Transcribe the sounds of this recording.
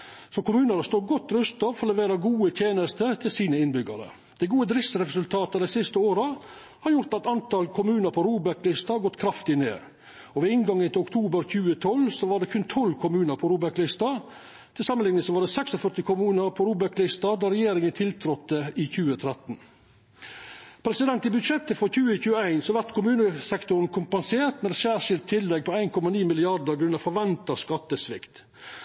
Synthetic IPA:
sɔkʊmʉːnəɾəst̪oːɡɔt̪ːɾʉst̪ɑʋfɔɾɔlɛʋeːɾɑɡuːət̪ʰjeːnəst̪ət̪ʰɪlsiːnəɪnbʏɡəɾə̰ | d̪ɛɪɡuːəd̪ɾɪssɾɛsʉlt̪ʰɑːt̪əd̪ɛɪsɪst̪əoːɾə | hɑɾjʊɾt̪ɑtt̪ɑnt̪ɑlkʰʊmʉːnəɾpʰɔɾuːbæklɪst̪ɑɡɔt̪ːkʰɾɑft̪ɪnḛː | ɔʋɛɪŋɡɑŋːənt̪ʰɪlʊkt̪ʰuːbəɾçʉːət̪ʰɔlsɔʋɑɖɛkʰʉnt̪ʰɔlːkʰʊmʉːnəɾpʰɔɾuːbæklɪst̪ɑ | t̪ʰɪlsɑmːənlɪŋnəsɔʋɑɖ̪ɛsɛksɔfœʈ̪ɪkʰʊmʉːnəɾpʰɔɾuːbəklʏst̪ɑd̪æɾɛjeːɾɪŋənt̪ʰɪlt̪ʰɾɔt̪ːəɪçʉːət̪ʰɾɛt̪n̩ | pʰɾɛsɪd̪ɛnt̪ɪbʉd̪ʂɛt̪ːəfɔɾçʉːəçʉːəæɪnsɔʋæɾt̪kʰʊmʉːnəsɛkt̪ʊɾnkʰʊmpɑnseːɾt̪mɛɛsæːɾʂɪlt̪ʰːɪlːɛɡ̚pʰɔæɪnkʰɔmɑniːmɪlɪɑɖəɾɡɾʉnɑfɔɾʋɛnt̪ɑskɑt̪ːəsʋɪ̰kt̪

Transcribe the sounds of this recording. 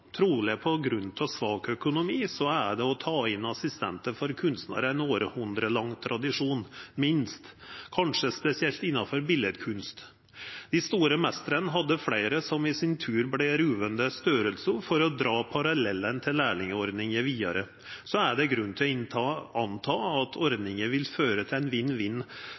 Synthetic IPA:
t̪ʰɾuːlɛpʰɔɡɾʉnt̪ʰɔsʋɑːɡœkʊnʊmiːsɔæɖɛɔt̪ʰɑːɪnːɑsɪst̪ɛ̰nt̪əfɔɾkʰʉnst̪nə̰ɾəɛnoːɾəhʉnd̪ɾəlɑŋːt̪ʰɾʔɑd̪ɪʂuːnmɪnst̪kʰɑnʂəspɛsɪɛlt̪ɪnːɑfɔɾbɪlɛd̪kʰʉnst̪ | d̪̥ɪst̪uːɾəmɛst̪əɾənəɦɑd̪ːəflæɪɾəsɔmɪsɪnt̪ʰʉːɾblɛɾʉːʋənd̪əst̪øːɾəlsəɾfɔɾɔd̪ɾɑːpʰɑɾɑlɛlːənt̪ʰɪlːæːɭɪŋəɔɾd̪nɪŋəʋiːɑ̰ɾə | sɔæɖɛɡɾʉnːt̪ʰɪlɔɪnɑnt̪ʰɑːɑt̪ʰɔɾd̪nɪŋəʋɪlføːɾət̪ʰɪlɛɪnʋɪnːʋɪnː

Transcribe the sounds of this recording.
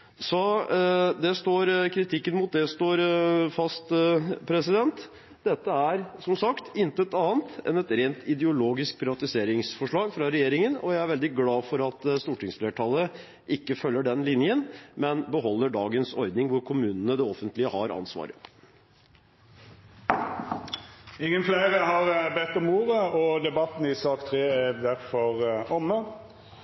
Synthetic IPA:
sɔ | d̪ɛst̪oːɾkʰɾɪt̪ʰɪkːənmʊt̪̚d̪ɛst̪oːɾfɑst̪pʰɾɛsɪd̪ɛnt̪ | d̪̥ɛt̪ːəæɾsɔmsɑkt̪ɪnt̪əəɛt̪ɑːənt̪ɛ̰nɛt̪ɾeːnt̪ʰɪd̪əʊloːɡɪsk̚pʰɾɪʋɑt̪ɪseːɾɪŋsfɔʂɭɑːɡfɾɑɾɛjeːɾɪŋənɔjæɪæɾʋɛld̪ɪɡlɑːfɔɾɑt̪st̪uːʈɪŋsfleːʈʰɑːlə | ʔɪkːəfœlːəɖɛnlɪnjənmɛnbəɦɔlːəɖɑːɡənsɔɾd̪nɪŋʋʊɾkʰʊmʉːnənəd̪ɛɔfənt̪lɪəhɑɾɑ̰nsʋɑ̰ːɾə | ɪŋːənflæɪʁəɦɑʁbɛt̪ːɔmuːʁəɔd̪ɛbɑt̪ːn̩ɪsɑːkt̪ʰɾeːæd̪æɾfɔʁɔmːə

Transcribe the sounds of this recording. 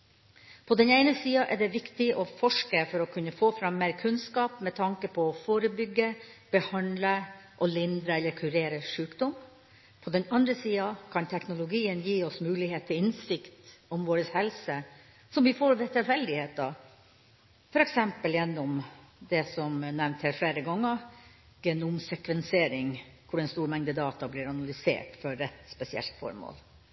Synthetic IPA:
pʰɔd̪ɛneɪnəsiːɑʔɛɖɛʋɪkt̪ɪʔɔfɔʂkəfɔɾɔkʰʉnːəfoːfɾɑmːeːɾkʰʉnskɑːpmɛt̪ʰɑŋkəpʰɔːfoːɾəbʏɡːəb̥əhɑnd̪ləʔɔlɪnd̪ɾəɛlːəɾkʰʉɾeːɾəʂʉːkd̪ɔm | pʰɔd̪ɛnɑnd̪ɾəsiːɑkʰɑnt̪ʰɛknʊlʊɡiːənjiːɔsmʉːlɪheːt̪ʰːɪlɪnsɪkt̪ɔmʋoːɾəshɛlsə | sɔmʋɪfoːɾʋɛt̪ʰɪlfɛld̪ɪheːt̪̚ɑ | fɔɾɛksɛmpəljɛnːɔm | d̪ɛsɔmnæɾʋnt̪hæːɾfleːɾəɡɑŋːə | ɡ̥ɛnʊmsɛkʋɛnsɪeːɾɪŋkʰʊɖɛnst̪uːɾmɛŋd̪əd̪ɑːt̪ɑbliːɾɑnɑlʏsḛːʈfɔɾːɛt̪spɛsɪɛ̰lt̪fɔ̰ɾmo̰ːl

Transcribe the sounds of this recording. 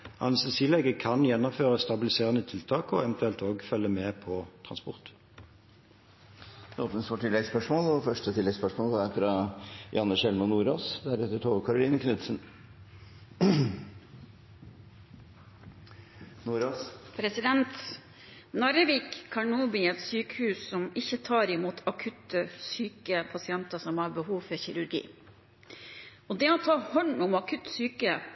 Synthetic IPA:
ʔɑ̰nəsəsiːlɛɡəkʰɑnjɛnːɔmføːʁəst̪ɑbɪlɪseːʁənət̪ʰɪlt̪ʰɑːkɔɛʋɛnt̪ʉɛlt̪oːɡfœlːəmeːpʰɔt̪ʰʁɑnspɔʁt̪ | oːpnəst̪ɔʈɪlːɛɡspœʂmoːlɔfœʂʈət̪ʰɪlːɛɡspœʂmoːlʋɑæɾfɾɑjʔɑnːəʃɛlmɑnːuːɾoːsd̪æɾɛt̪ːəʈʰoːʋəkʰɑɾʊliːnəkʰnʉt̪sən | nuːɾoːspʰɾɛsɪd̪ɛnt̪ | nɑɾəʋiːkʰːɑɳuːbɪɛt̪syːkəhʉːsːɔmɪçət̪ʰɑːɾɪmuːt̪ʰɑkʰʉt̪əsyːkəpʰɑsɪɛnt̪ɑsɔmhɑɾbəhuːʋfɔɾçɪɾʉɾɡḭː | ɔd̪ɛɔt̪ʰɑːhɔnʊmɑkʰʉt̪syːkə

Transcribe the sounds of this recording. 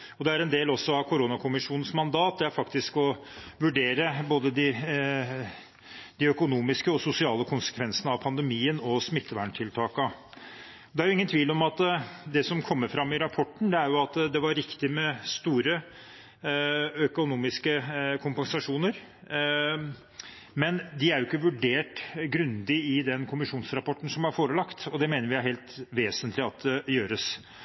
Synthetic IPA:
ɔd̪ɛæɾɛnd̪eːlɔsːɔɑʋkʰʊɾoːnɑkʰʊmɪʂuːnən̩smɑnd̪ɑːt̪̚d̪ɛæɾfɑkt̪ɪskɔ | ʋʉɖeːɾəboːd̪əd̪ɪ | d̪ɪœkʊnuːmɪskəɔsʊsɪɑːləkʰʊnsə̥kʰʋɛnsənəɑʋpʰɑnd̪ɛmiːənɔsmɪt̪ʰːəʋæɳʈʰɪlt̪ʰɑːkə | ɔd̪ɛæɾjʊɪŋənt̪ʰʋiːlɔmɑt̪d̪ɛsɔmkʰɔmːəɾfɾɑmːɪɾɑpʰɔʈːɳ̩d̪ɛæɾjʊɑt̪d̪ɛʋɑɾːɪkt̪ɪmɛst̪uːɾə | œkʊnuːmɪskəkʰʊmpɛŋsɑʂuːnəɾ | mɛnd̪ɪæɾjʊɪkːəʋʉɖeːʈɡɾʉnd̪ɪɪd̪ɛnkʰʊmɪʂuːnsɾɑpɔʈːn̩sɔmɑɾfoːɾəlɑkt̪ɔd̪ɛmeːnəɾʋɪæɾɦeːlt̪ʋeːsənt̪ʰlɪɑt̪̚d̪ɛjøːɾəs

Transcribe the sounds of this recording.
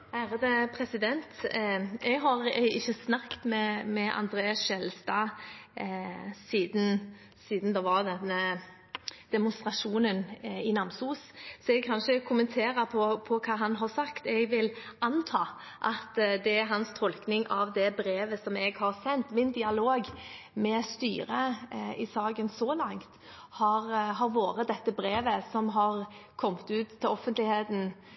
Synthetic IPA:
æːɾɑd̪əpʰɾɛsɪd̪ɛnt̪ | ɛɡɦɑɾɪçːəsnɑkt̪mɛmɛʔɑ̰nd̪ɾeːɑsʃɛlst̪ɑː | siːd̪n̩ | siːd̪nd̪ɛʋɑɾd̪ɛnːə | d̪̥ɛmʊnst̪ɾɑʂuːnənɪnɑmsuːssɔɛɡ̚kʰɑnʂəkʰʊmənt̪ʰeːɾəpʰɔpʰɔkʰɑːɦɑnɦɑɾsɑkt̪ɛɡʋɪlʔɑnt̪ʰɑː | ʔɑt̪d̪ɛæɾɦɑnst̪ʰɔlknɪŋʔɑʋd̪ɛbɾeːʋəsɔmɛɡhɑɾsɛnt̪mɪnd̪ɪɑloːɡ | mɛst̪y̰ːɾəɪsɑːɡənsɔlɑŋt̪ | hɑɾɦɑɾʋoːɾət̪̚d̪ɛt̪ːəbɾeːʋəsɔmɦɑɾkʰɔmt̪ʉːt̪ʰːɪlɔfənt̪lɪheːt̪n̩

